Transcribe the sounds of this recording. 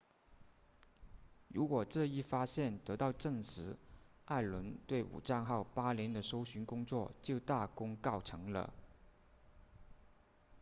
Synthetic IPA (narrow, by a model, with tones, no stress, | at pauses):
ɻu˧˥kwɔ˨˩ʈ͡ʂɤ˥˧i˥˩fa˥ɕjɛ˥˩nt̪ɤ˧˥t̪ɑ˥˧ʊʈ͡ʂɤ˥˩ŋʂɻ̩˧˥ | a˥˩ɪlwə˧˥nt̪we˥˩ɪṵ˨˩ʈ͡ʂa˥˧ŋxɑ˥˩ʊpa˥ljɛ˧˥nd̪ə˧ʂo˥ʊɕy˧˥nkʊ˥ŋt͡swɔ˥˩t͡ɕjo˥˧ʊt̪a˥˩kʊ˥ŋkɑ˥˩ʊʈ͡ʂʰɤ˧˥ŋlə̰˧